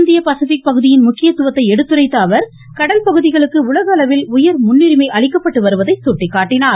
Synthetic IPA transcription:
nd̪ɪjɐpɐsɪfɪk̚pɐɣɯðɪjɪnmʊkːɪjɐt̪ːɯʋɐt̪ːɐɪɛɽɯt̪ːɯrɐɪt̪ːaːʋɐɾ | kɐɽɐlpɐɣɯðɪɣɐɭɯkːɯʊlɐɣɐːlɐʋɪlʊjɐɾmʊnːɪɾɪmɐɪʔɐɭɪkːɐpːɐʈːɯʋɐɾɯʋɐðɐɪsuːʈːɪkːaːʈːɪnaː

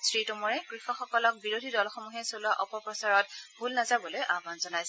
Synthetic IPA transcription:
sɹitomɔɹɛkɹixɔxɔkɔlɔk̚biɹodʱidɔlxɔmuɦɛsoluaʔɔpɔpɹɔsaɹɔt̚bʱulnazabɔlojʔaɡʱanzɔnajsɛ

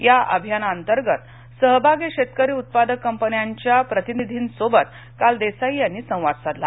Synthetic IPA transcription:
jaʔə̰bʱjanant̪əɾɡət̪ | səɦbʱaɡiɕet̪kəɾiːut̪̚pad̪əkːəmpənjaɲt͡ɕjapɾət̪inid̪ʱiːnsobət̪ | kald̪esaɦijaniːsə̃w̃ʋad̪sat̪la̰

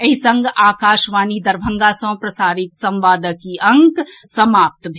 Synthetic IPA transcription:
ɐɦisɐ̃ŋɡaːkaːʃʋaːnid̪ɐɾbʱə̃ŋɡasɐ̃pɾɐsaːɾɪt̪sɐ̃mʋaːd̪əkiʔɐ̃ŋksɐmaːp̚t̪bʱ

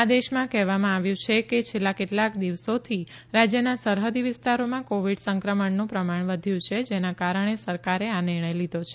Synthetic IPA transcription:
ad̪eʃmãkɛɦʋamãaʋjũt͡ʃʰeket͡ʃʰelːakeʈlakd̪iʋsot̪ʰi | ɾad͡ʒjənasəɾɦəd̪iʋɪst̪aɾomãkoʋiɖsəŋkɾəməɳnũpɾəmaɳʋəd̪ʱjũt͡ʃʰed͡ʒenãkaɾəɳ̃esəɾkaɾeanɪɾɳəjlid̪ʱot͡ʃʰe

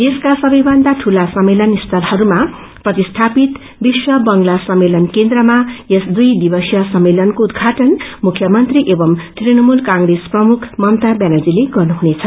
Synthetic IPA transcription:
d̪eskasʌbʌjbʌnd̪aʈʰulasʌmːelʌnist̪ʰʌlhʌɾuma | prʌt̪ist̪ʰapit̪ | biswʌbʌŋlasʌmːelʌnkend̪rʌmajesd̪ujd̪ibʌsjʌsʌmːelʌnkoud̪ɡʱaʈʌnmukʰjʌmʌnt̪riʔebʌmt̪rinʌmulkãŋɡresprʌmukʰmʌmt̪abjanad͡zileɡʌrnuɦunet͡sʰʌ

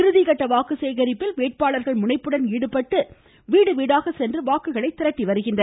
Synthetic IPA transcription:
ɪɾɯðɪɣɐʈːɐʋaːkɯseːɣɐɾɪpːɪlʋeːʈ̚paːɭɐɾɣɐɭmʊnɐɪpːɯɽɐniːɽɯpːɐʈːɯ | ʋiːɽɯʋiːɽaːɣɐsɛndrɯʋaːkɯɣɐɭɐɪt̪ːɪɾɐʈːiʋɐɾɯɣɪndɐ

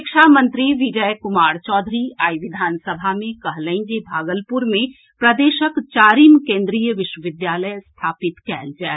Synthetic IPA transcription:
ɪkʃamə̃nt̪ɾiʋid͡ʒəjkʊmaːɾt͡ʃɔːd̪ʱɾiaːiʋɪd̪ʱaːnsəbʱamẽkɐɦlə̃ĩd͡ʒebʱaːɡəlpuɾmẽ | pɾɐd̪eːʃəkt͡ʃaːɾiːmkẽːnd̪ɾijəʋɪʃwəʋɪd̪jaːləjst̪ʰaːpɪt̪kɛːld͡ʒɛː

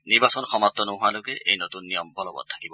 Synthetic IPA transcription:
niɾbasɔnɔxɔmat̪ːɔnɔɦualokeʔejnot̪unːijɔmbʱɔlɔbɔ̰d̪̚t̪ʰḁkibɔ

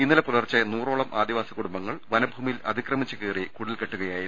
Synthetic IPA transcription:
inːɐlɐpulɐrt͡ɕːɐnuːro̞ːɭɐmʔaːd̪iʋaːsɐkːuɽumbɐŋːɐɭʋɐnɐbʱuːmilɐ̰d̪ʱikrɐmit͡ɕːɐkeːrikuɽilkeʈːuɣɐjaːjiɾ

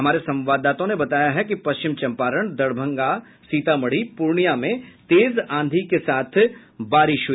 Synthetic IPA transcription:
ɦɐmaːɾesɐ̃mʋaːd̪aːt̪õnebɐt̪aːjaɦɛkipɐʃt͡ʃɪmt͡ʃɐ̃mpaːɾəɳ̃d̪ɐɽbʱə̃ŋɡa | siːt̪amɐɽ̤ipuɾɳijamẽt̪eːzãːnd̪ʱikesaːt̪ʰ | baːɾɪʃɦu

